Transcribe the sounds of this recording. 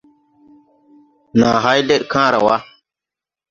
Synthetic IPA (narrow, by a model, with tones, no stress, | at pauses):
na˨ɦa˦jde˦ɗkãː˦ɾa̰˨wa˦